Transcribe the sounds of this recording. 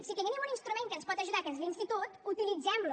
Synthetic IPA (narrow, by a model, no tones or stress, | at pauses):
sikəninɛmuninst̪ɾumẽŋkənspɔt̪əʒuðakəzðinst̪it̪ot̪ut̪ilid͡zɛmlu